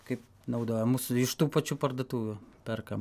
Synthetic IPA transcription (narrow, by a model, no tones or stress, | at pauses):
kɐɪp | nɐʊd̪oːjɛmuːsʊɪʃt̪uːpɐt͡ʃʲuːpɐrd̪ɐt̪uːʋʲʊpʲɛrkɐm